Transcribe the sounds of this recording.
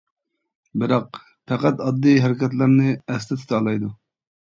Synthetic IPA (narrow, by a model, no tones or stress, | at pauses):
bɪɾɑq̚ | pʰæqæt̪ɑd̪ːijɦæɾɪkʲɛt̪̬lɪɾnɨɛst̪ɪt̪ʰy̥t̪ʰɑlˠɑjd̪u